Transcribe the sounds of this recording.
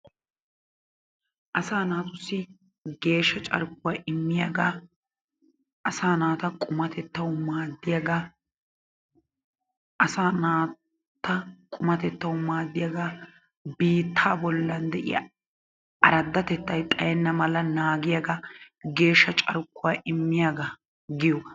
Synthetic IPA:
ʔɐsaːnaːt̪ʊsːɪ | ɡe̞ːʃːɐt͡ʃʼɐ̰ɾk̚ːʊwaːʔɪmːɪjɐɡaː | ʔɐsaːnaːt̪ɐkʼʊmɐt̪ɛt̪ːɐwʊmaːd̪ːɪjɐɡaː | ʔɐsaːnaː | t̪ːɐkʼʊmɐt̪ɛt̪ːɐwʊmaːd̪ːɪjaɡa | biːt̪ʰːaːbɔlːɐnd̪ɛʔɪ̰jɐ̰ | ɐɾɐd̪ːɐt̪ɛt̪ːɐjt̪ʼɐjɛnːɐmɐlɐnaːɡɪjaɡɐ | ɡe̞ːʃːɐt͡ʃʼɐɾʊkːʊwaːʔɪmːɪjaɡa | ɡɪjɔ

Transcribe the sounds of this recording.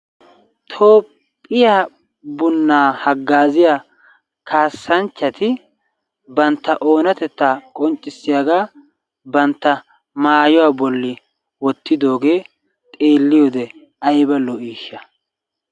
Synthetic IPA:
t̪ʰo̞ːpʼː | ɪjaː | bʊnːaːhɐɡːaːzɪja | kʰaːsːɐnt͡ʃːɐt̪ɪ | bɐnt̪ːɐʔo̞ːnɐt̪ɛt̪ːaːkʼɔnt͡ʃʼːɪsːɪjaɡaː | bɐnt̪ːɐ | maːjɔwaːbɔlːɪ | wɔt̪ːɪd̪o̞ːɡe̞ː | t̪ʼe̞ːlːɪjɔd̪ɛ | ɐjbɐlɔiːʃːɐ

